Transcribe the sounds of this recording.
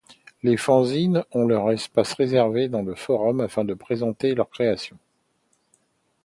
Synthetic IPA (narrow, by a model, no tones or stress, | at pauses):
lefɑ̃zinɔ̃lœʁɛspasʁezɛʁved̪ɑ̃ləfɔʁɔmafɛ̃d̪əpχezɑ̃t̪elœʁkχeasjɔ̃